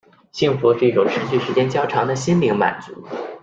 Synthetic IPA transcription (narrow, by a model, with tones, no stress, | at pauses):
ɕi˥˩ŋfu˧˥ʂɻ̩˥˧i˥˩ʈ͡ʂʊ˨˩ŋʂ̩˧˥t͡ɕy˥˩ʂɻ̩˧˥t͡ɕjɛ˥nt͡ɕjɑ˥ʊʈ͡ʂʰɑ˧˥ŋd̪ə˧ɕi˥nli˧˥ŋma̰˨˩nt͡su˧˥